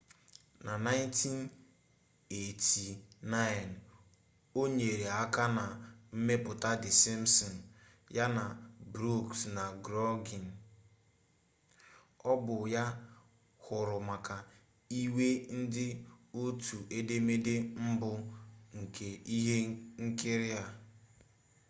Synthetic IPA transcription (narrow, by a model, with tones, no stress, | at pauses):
na˨na˦ɪ˦ntʰi˦n | e˨tʰi˨na˦ɪ˨n | o˦ɲe˨ɾe˨a˦ka˦na˨m̩˦me˦pʊ˨ta˦dɪ˨si˦m̩˦sɔ˨n˨ | ja˦na˨bɾu˦˨ksna˨ɡɾɔ˦ɡi˨n˨ | ɔ˦bʊ˨ja˦ | hʊ˨ɾʊ˨ma˨ka˨ | i˦we˦n̩˦dɪ˦o˦tʰu˨ʔe˦de˦me˦de˦m̩˦bʊ˦ŋ̩˨kʰe˨i˦ɦe˦ŋ̩˦kɪ˦ɾɪ˦a˨